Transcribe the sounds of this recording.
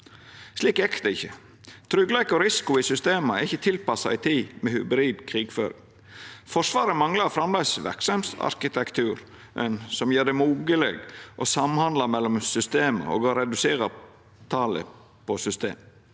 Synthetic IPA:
sliːkɛkt̪əɪçːə | t̪ʰɾʏɡlæɪkɔɾɪsɪ̥kʊɪsʏst̪eːmɑɛɾɪçːət̪ʰɪlpɑsɑɪt̪ʰiːmɛhʉbɾiːd̪kʰɾiːɡføːɾɪ̰ŋ | fɔʂʋɑːɾəmɑŋlɑɾfɾɑmlæɪsʋæ̰ɾksɑmsɑ̰ɾkɪt̪ʰɛkt̪ʰʉːɾ | ʔɛnsɔmjøːɖɛmuːɡəleɡʔɔsɑmhɑnd̪lɑmɛlːɔmsʏst̪eːmə̰o̰ːɡoɾɛd̪ʉseːɾɑ | t̪ʰɑːlə̰ | pʰɔsʏst̪ḛːm

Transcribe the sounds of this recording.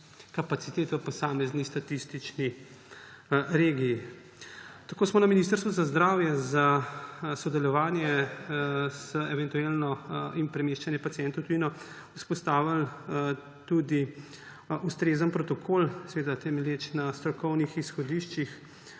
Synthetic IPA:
kapat̪sit̪eːt̪ʋəpɔsaːmɛznist̪at̪ist̪it͡ʃni | ɾeːɡijː | t̪akoːsmɔnaminist̪əɾst̪ʋuzazd̪ɾaːwjɛza | sɔd̪ɛlɔʋaːnjɛ | z̥əɛʋɛnt̪uelnɔinpɾɛmeʃt͡ʃanjɛpat̪siɛnt̪ɔwt̪ujinɔ | uspɔst̪aːʋal | t̪ud̪i | ust̪ɾeːzənpɾɔt̪ɔkʰoːlsɛʋeːd̪at̪ɛmɛljeːt͡ʃnast̪ɾɔkɔwnixisxɔd̪iːʃt͡ʃix

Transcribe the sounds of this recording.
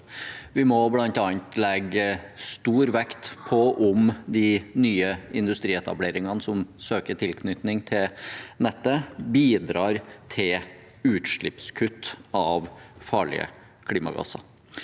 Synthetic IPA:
ʋɪmɔblɑnt̪ɑːnt̪lɛɡəst̪uːɾʋɛkt̪pʰɔʔʊmd̪ɪnyːəɪnd̪ʉst̪ɾiːɛt̪ɑ̰bleːɾɪŋɑnəsɔmsøːkəʈʰɪlkʰnʏt̪nɪŋt̪ʰɪlnɛt̪ːəbiːd̪ɾɑːɾt̪ʰɪl | ʉːt̪ʂɭɪpskʰʉt̪ːɑʋfɑːɭɪ̰ə̰ | kʰliːmɑ̰ɡɑ̰sɑ̰

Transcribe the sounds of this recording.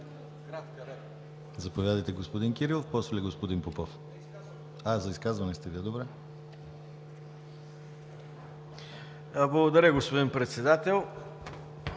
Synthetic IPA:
kɾt̪ | zɐpovʲjad̪əjt̪ɛɡospod̪inkʲiɾilˠofpɔsvlʲiɡospod̪inpopɔf | azɐiskazvɐnɛst̪ɛviɛd̪obɾɛ | blˠɐɡod̪ɐɾʲəɡospod̪inpɾɛt̪sɛd̪at̪ɛlˠ

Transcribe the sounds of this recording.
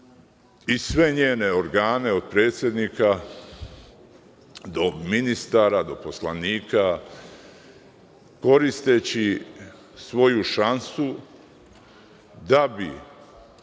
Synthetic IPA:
isʋe̞ɲeːne̞o̞ɾɡaːne̞o̞d̪̚pɾe̞ːt̪sje̞d̪nika | d̪o̞minist̪aɾad̪o̞po̞slaniːka | ko̞ɾist̪e̞t͡ɕi | sʋo̞juʃansu | d̪abi

